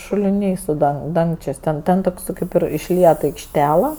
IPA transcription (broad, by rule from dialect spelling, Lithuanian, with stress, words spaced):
ʃʊlʲɪˈnʲɛɪ sʊ ˈdɐŋk ˈdɐŋkt͡ʃʲeːsʲ ˈtʲɛn ˈtʲɛn toːks ˈkɐɪp ɪr ɪʃʲˈlʲiɛt ɐɪkʃʲˈtʲæːlˠɐ